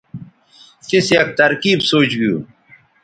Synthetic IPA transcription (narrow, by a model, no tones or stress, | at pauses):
kisjɐk̚t̪ɐɾkiːbsoːt͡ɕɡijṵː